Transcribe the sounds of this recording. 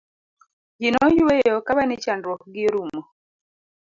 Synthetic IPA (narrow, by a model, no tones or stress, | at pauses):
d͡ʒinɔjwejɔkaβanit͡ʃandɾwɔkɡɪɾumɔ